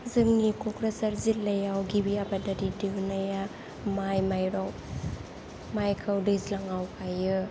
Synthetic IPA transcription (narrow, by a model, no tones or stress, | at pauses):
zɯŋnikɔkɾasaɾzitlɐjawɡibiabadadidiwnaja | majmajɾaw | majkʰawdɯzlaŋawpʰajɯ